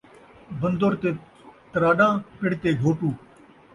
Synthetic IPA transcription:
bənd̪oɾt̪eː | t̪əɾaːɗãːpɪɽ̤t̪eːɡʱoːʈuː

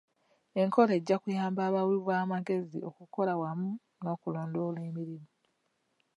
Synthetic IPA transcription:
e̞ŋkʰo̞leɟːakujaːmbaːβawiβwaːmaɡe̞zḭo̞̰kuko̞lawamu | no̞ːkulo̞ːndo̞leːmiɾimu

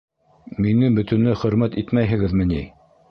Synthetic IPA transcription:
minɘbɵ̆t̪ɵ̆nlɘχɵ̆ɾmæt̪it̪mæjɦɘ̆ɡɘðmɘ̆ni

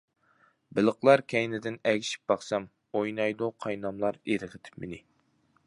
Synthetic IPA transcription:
bɪlˠəqlˠɑɾkʲʰɛjnɪd̪ɪnɛɡʲiʃi̥p̚b̥ɑχsɑm | ojnɑjd̪uqʰɑjnɑmlˠɑɾeɾɪʁʰɪt̪ʰɪ̥pmɪnɪ

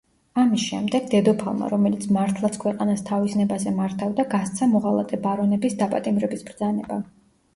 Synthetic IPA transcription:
amisʃɛ̰md̪ɛɡd̪ɛd̪ɔpʰa̰lˠma̰ɾɔmɛlit̪sʰmaɾt̪ʰlˠat̪sʰkʰwɛqʼanast̪ʰavisnɛbazɛmaɾt̪ʰavd̪aɡast̪sʰamɔʁalˠa̰t̪ʼɛbaɾɔnɛbisd̪apʼat̪ʼimɾɛbisbɾd̪zanɛba

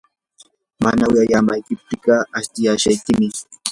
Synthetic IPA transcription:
manawjajamajkɪp̚t̪ɪkɑast̪ɪjaʃajkɪmɪ

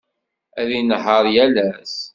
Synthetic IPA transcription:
æðinɦəɾˤjælæs

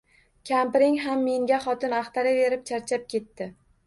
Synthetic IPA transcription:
kʲʰampɪɾɪŋɦamːe̞ŋɡʲaχɒt̪ɪnaχt̪ʰaɾɪve̞ɾɪp̚t͡ʃʰaɾt͡ʃʰap̚kʲe̞t̪ːɪ

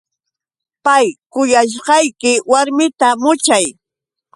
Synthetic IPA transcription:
pajkʊjaʃ̬ɢɑjkɪwaɾmɪt̪amʊt͡ʃaj

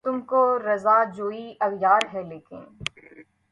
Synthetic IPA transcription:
t̪ʊmkoɾɐzaːd͡ʒoːiʔɐɣjaːɾɦɛleːkɪ̰̃n

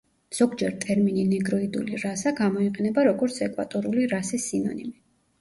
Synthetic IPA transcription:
z̥ɔɡd͡ʒɛɾt̪ʼɛɾmininɛɡɾɔid̪ṵliɾasaɡamɔiqʼɛnɛbaɾɔɡɔɾt̪sʰɛkʼwa̰t̪ʼɔɾuliɾasisinɔ̰nḭmi

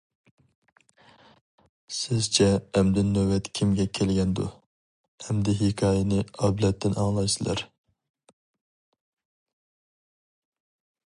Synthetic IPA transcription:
sɪz̥t͡ʃʰɛːmd̪ɪnːøwɛt̪kʲʰimɡʲɛkʲʰelɡʲɛnd̪ṵ | ɛmd̪ɪɦɪkʰɑːjɛnɪɑblɛt̪ːɪnɑ̰ŋlˠɑjsɨlˠæ̰ɾ

